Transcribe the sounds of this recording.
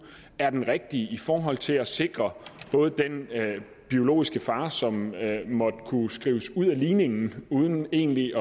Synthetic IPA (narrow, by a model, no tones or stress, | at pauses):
æɐd̥enʁeɡ̥̚d̥iəifɒːɦɒ̽l̰t͡sʰe̝læse̝ɡ̥ʁɐb̥ɔ̽ːð̞̩ˠd̥en | b̥io̝lo̝̰ːisɡ̥əfɑ̈ːsɒ̽mmɒ̽d̥kʰusɡ̥ʁḭːʊsuð̞̰ˠæliːne̝ŋn̩uːð̞ˠn̩e̝ːnliʔɒ̽